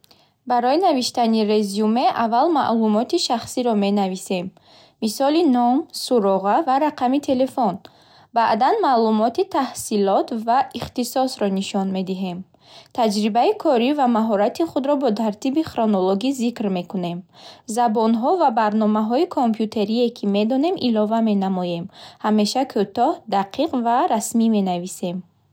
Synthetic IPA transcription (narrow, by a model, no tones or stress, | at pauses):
baɾɔinaviʃt̪aniɾezume̞ʔavalma̰ʔlumɔt̪iʃaχsiɾɔme̞navise̞mː | isɔlinɔmsuɾɔʁavaɾaqʰamit̪ʰe̞le̞fɔn | baʔd̪anmalumɔt̪it̪ʰahsilɔt̪vaiχt̪isɔsɾɔniʃɔnme̞d̪iɦe̞m | t̪ʰad͡ʒɾibaikʰɔɾivamaɦɔɾat̪ʰiχud̪ɾɔbɔt̪ʰaɾt̪ibiχɾonoloɡizikɾme̞kune̞mzabɔnɦɔvabaɾnɔmaɦɔikʰompʰjut̪ʰe̞ɾiekʰime̞d̪ɔne̞mʔilɔvame̞namɔje̞mhame̞ʃakʰut̪ɔhd̪aqʰiqvaɾasmime̞navise̞m